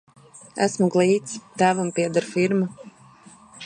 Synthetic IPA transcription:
æ̰smuɡlˠiːt̪st̪æːvumpiɛd̪aɾfiɾma

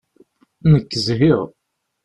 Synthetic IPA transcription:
nəkːəzɦiʁ

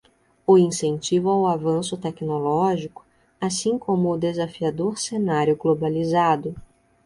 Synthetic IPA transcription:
ʊĩsẽnt͡ʃivʊawavɐ̃sʊt̪ɛknolɔʒikʊ̥ | asĩkõmʊːd̪ezafiad̪oɾsenaɾjʊɡlobalizad̪ʊ

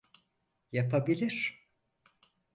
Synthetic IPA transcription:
japʰabilʲiɾ̥

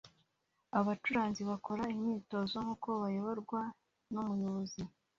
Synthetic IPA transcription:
aβat͡ʃuɾaːnziβako̞ɾaimɲiːto̞ːzo̞ŋhuko̞βajo̞βo̞ɾɡwa | numujoβozi

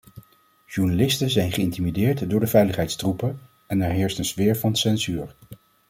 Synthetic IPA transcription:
ʒuɹnalɪstəzɛjnχəɪntimidɪːɹtdʊːɹdəvɛjləχɦɛjtstrupə | ɛnɛɹɦɪːɹstənzvɪːɹvɑnsɛnzyːɹ

